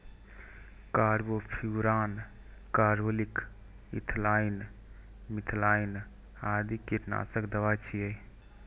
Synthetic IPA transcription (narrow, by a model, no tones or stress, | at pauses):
kaɾbopʰuɾaːn | kaɾbolik | ḭt̪ʰlain | mit̪ʰlaːin | ad̪ikiɾna̰səkd̪əʋajt͡ʃʰijə